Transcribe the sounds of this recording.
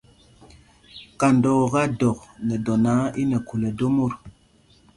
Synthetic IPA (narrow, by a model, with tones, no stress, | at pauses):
ka˨ndɔ˨ɣa˦dɔ˨k̚ne˨dɔ˨na˨˦i˦ne˨ku˨le˨do˦mo˦˨ɾ